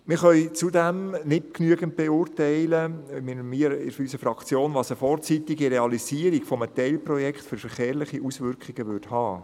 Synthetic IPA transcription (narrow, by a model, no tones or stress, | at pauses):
mɪɾχœʏt͡sudæmnɪtknyəɡənt̚b̥eʊːrtɛɪləmɪmiːəɾɪ̰ʃysəfɾɑkt͡sjoːnʋɑːsəfɔɾt͡sit̪ɪɡiɾeɑliziːəɾiɡfɔmətɛɪlprɔjɛkχtføɾfəɾχeːɾlɪχiʔusʋʏɾkχiɡəʋʏɾdhɑː